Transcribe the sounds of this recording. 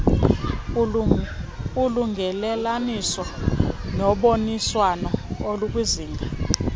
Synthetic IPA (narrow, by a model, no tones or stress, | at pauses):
uluŋɡʱɛlɛlanisɔnɔɓoniswanɔoluk̬ʼuziːŋʱa